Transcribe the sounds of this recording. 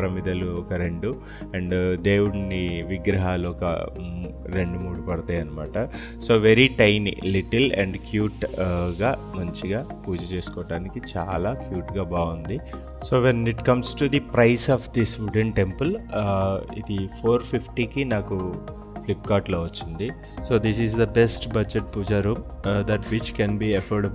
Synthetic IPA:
ɾɐmid̪ɐluɔkɐɾeɳɖu | ɛɳɖd̪eːwuɽniʋiɡɾɐɦaːluɔkɐ̰ | ɾe̞ɳɖumuːɽupɐɽɐt̪aːjɐnːɐmaːʈɐ | so̞ːʋeɾiʈɐjnḭliʈɐlɛ̰ɳɖkjuːʈɡaːmɐɲt͡ʃiɡaːpuːd͡ʒɐt͡ʃe̞ːsu̥kɔːɐɽaːnikit͡ʃa̰ːlaːkjuːʈɡaːbaːɡund̪i | soːʋeniʈkɐmsʈud̪ipɾɐjsɔːʋd̪isʋuɖəɳʈempɐl | ḭd̪ipʰoːɾpʰipʈiːkinaːku | plip̚kaːʈloːʋɐt͡ʃːind̪i | so̞ːd̪isizd̪ɐbesʈbɐd͡ʒeʈ̚puːd͡ʒaɾuːmd̪ɐʈʋit͡ʃkɛnbiːefoːɖb

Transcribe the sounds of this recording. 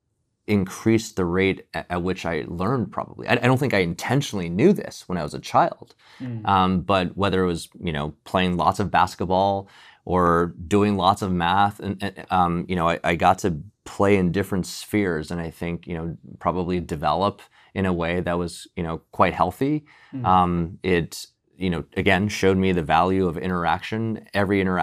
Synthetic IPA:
ɨ̃nkʰɹ̥isðɨɹeɪɾʔɨt̚wɨt͡ʃaɪlɜ̃˞npʰɹ̥ɑ̰bəblḭa̰ɪaɪdõʊ̃nθɪ̃kaɪɨ̃ntʰɛ̃nʃn̩l̩ˠinjʉðɪ̰swə̃ñaɪwʌzɨt͡ʃʰaɪlˠd̥ | ʔʌ̃mb̥ʌt̚wɛðə˞ɨt̚wʌz̥jɨño̰ʊpʰl̥eɪɪ̃ŋlɔ̰tsʌvbæskət̚b̥ɔlˠ | ʔə˞dʉɪ̃ŋlɔtsʌvmæθɨ̃nɨ̃ʌ̃mjɨnoʊaɪʔaɪɡɑtʰɨpʰl̥eɪɨ̃ndɪfɹɨ̃ntsfɪɹzɨ̃naɪθɪ̃ŋkjɨñoʊpʰɹ̥ɑbəblidɨvɛ̰lˠəp | ɨ̃ɾ̃əweɪðɨt̚wʌz̥jɨñoʊkʰw̥aɪt̚hɛlˠθi | ʔʌ̃mʔɪt | jɨnoʊɨɡɛ̃nʃoʊd̚miðɨvælˠjʉʌvɪ̰̃ɾ̃ə˞æ̰kʃɨ̃nɛvɹiɪ̃ɾ̃ə˞æ

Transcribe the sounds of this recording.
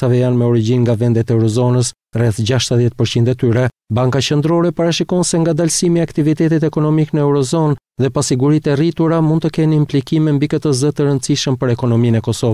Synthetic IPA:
avɛjanmɛɔɾiɟinŋɡavɛnd̪ɛt̪ɛwɾɔzɔnəs | rɛθd͡ʑaʃt̪əðjɛt̪̚pəɾt͡ɕind̪ɛt̪yɾɛbaŋkat͡ɕənd̪ɾɔɾɛpaɾaʃikɔnsɛŋɡad̪alsimiakt̪ivit̪ɛt̪̬it̪ɛkɔnɔmiknəɛɾɔzɔn | ðɛpasiɡuɾit̪ɛrit̪uɾamund̪t̪əkɛnimplikimɛmbikət̪əzət̪əɾənt̪t͡siʃəmpəɾɛkɔnɔminɛkɔsɔ

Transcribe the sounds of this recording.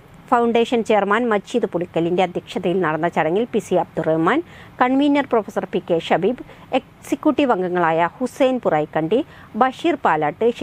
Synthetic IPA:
fɐwɳɖeːʂɐnt͡ɕe̞ːrmaːnmɐd͡ʑɕiðɨpuɽikʲːɐlinde̞ɐd̪ʱjɐkʂɐðɐjilnɐɽɐnːɐt͡ɕɐɽɐŋːilpisiɐb̚d̪urehmaːnkɐɳʋiːnjɐrproːfɐsɐrpikːeʂɐbiːb | ek | sikʲːjuʈːiʋɐŋɡɐŋːɐɭaːjɐhusejnpurɐːjkːɐɳɖi | bɐʂiːrpaːlaːʈːɨ

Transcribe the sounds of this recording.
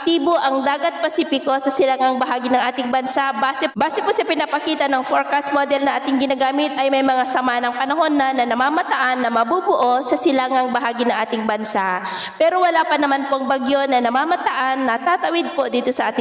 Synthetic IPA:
k̚t̪iːbo̞ʔɐŋd̪aːɡɐt̪̚pɐsiːpɪko̞sɐsɪlaŋaŋbɐɦaːɡɪnɐŋʔaːt̪ɪŋbɐnsaʔbaːsɛbaːsɛposɐpɪnapɐkiːt̪ɐnɐŋfoɹkɐst̪̚mod̪ɛlnɐʔaːt̪ɪŋɡɪnaːɡaːmɪt̪̚ʔɐjmɐjmɐŋasɐmanɐŋpɐnɐɦo̞nːɐnɐnɐmaːmɐt̪ɐʔanːɐmɐbubʊʔo̞sɐsɪlaŋaŋbɐɦaːɡɪnɐŋʔaːt̪ɪŋbɐnsaʔ | pɛːɾo̞wɐlaːpɐnɐmanpoʔɐŋbɐɡjo̞nɐnɐmaːmɐt̪ɐʔanːɐt̪aːt̪ɐwɪd̪̚po̞d̪iːt̪o̞sɐʔa̰ːt̪ɪ

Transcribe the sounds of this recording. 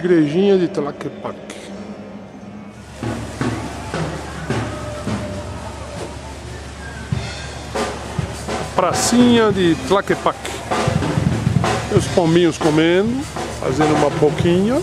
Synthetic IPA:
ɡɾeʒĩɲaðɪt̪lakepak | pɾasĩɲad̪ɪt̪lakepak | ewspõmbĩɲʊskomẽnd̪ʊfa̰zẽnd̪umapokʰiɲɐ

